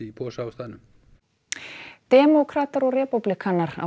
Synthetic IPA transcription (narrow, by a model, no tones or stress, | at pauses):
ipʰɔːsaːwst̪aːðnʏm | t̪ɛːmɔkʰɾat̪aɾɔɣrɛːpuplikʰanːaɾa̰